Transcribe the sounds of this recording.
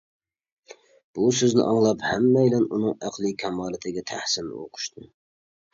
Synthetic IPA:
b̥usøznɪ̰ʔɑŋlˠɑphɛmːɛjlɛnunɨŋæqʰlˠɨkʲʰɛmɑːlˠɪt̪ʰɪɡʲɛt̪ʰæ̰hsɪlnɪ̰o̰qʰʊ̥ʃt̪ʰɨ

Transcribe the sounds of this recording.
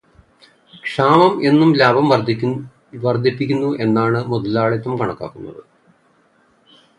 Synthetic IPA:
kʂaːmɐme̞nːumlaːbʱɐmʋɐ | ʋɐrd̪ʱɐpːikʲːunːuʔe̞nːaːɳɨmud̪ɐlaːɭet̪ːɐmkɐɳɐkːa̰ːkːunːɐ̰ðɨ̰

